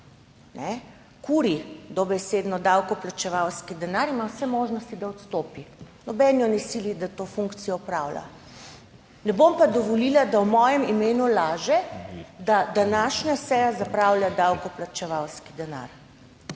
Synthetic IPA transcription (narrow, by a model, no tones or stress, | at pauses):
nɛ | kuɾid̪ɔbɛseːd̪nɔd̪awkɔplat͡ʃɛʋawskid̪ɛnaɾimawsɛmoʒnɔst̪id̪aɔt̪st̪oːpi | nɔbɛnjɔnɛsilid̪at̪ofuŋkt̪sijɔɔpɾawla̰ | nɛbompad̪ɔʋɔlilad̪awmɔjɛmimeːnulaːʒɛd̪ad̪anaʃnasɛjazapɾawljad̪awkɔplat͡ʃɛʋawskid̪ɛna̰ɾ